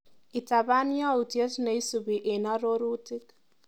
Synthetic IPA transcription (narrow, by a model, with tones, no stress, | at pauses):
i˨ta˨βa˦ni˦a˦u˨tje˦ti˦na˨i˦su˨βi˨ʔe˨na˦ɾo˦ɾu˦ti˦k